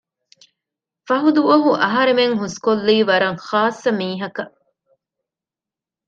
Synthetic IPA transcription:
fɐɦud̪uʋɐɦuʔɐɦɐɾemeŋɦuskolːiːʋɐɾɐŋχaːsːɐmiːɦɐkɐ

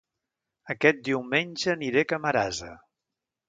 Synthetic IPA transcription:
əkɛt̪̚d̪iwmenʲʒəniɾekəməɾazə̰

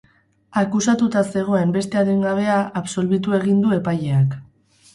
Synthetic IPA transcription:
akusat̪ut̪ase̞ɣ̞o̞e̞mbe̞st̪e̞aðiŋɡaβ̞e̞aʔːpso̞lβit̪ue̞ɣ̞ind̪ue̞paje̞ak

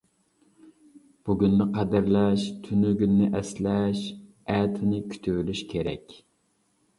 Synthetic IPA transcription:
b̥uɡʲynːɪqʰɛd̪ɨɾlɛʃt̪ʰynyɡʲynːɪʔɛslɛʃ | ɛt̪ʰɪnɪkʲʰy̥t̪ʰywylyʃkʲʰeɾɛ̰kʲ

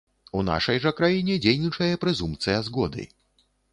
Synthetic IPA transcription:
una̰ʂɐjʐɐkɾajinʲɛd͡zʲejnʲit͡ʂɐjɐpɾɛzumpt̪sɨjɐzɣɔd̪ɨ̰

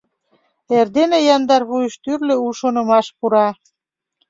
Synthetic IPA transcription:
erd̪enejɑnd̪ɑrβujəʃt̪yrløuʃonə̆mɑʃpuɾɑ

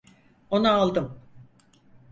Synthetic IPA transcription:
o̞naːlˠd̪ɯm

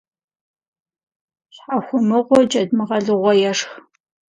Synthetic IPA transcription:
ɕħaxʷʊmɨʁʷɔd͡ʒʼɐdmɨʁɐɮɨʁʷɔjɛʂx

